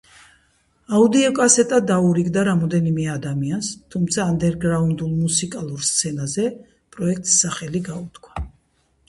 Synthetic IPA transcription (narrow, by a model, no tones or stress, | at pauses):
aud̪iɔkʼasɛt̪ʼad̪auɾiɡd̪aɾamɔd̪ɛnimɛad̪amianst̪ʰumt̪sʰaːnd̪ɛɾɡɾaund̪ulˠmusikʼalˠuɾst̪sʰɛnazɛ | pʼɾɔɛk̚ʰt̪ʼsːaχɛliɡaut̪kʰwḁ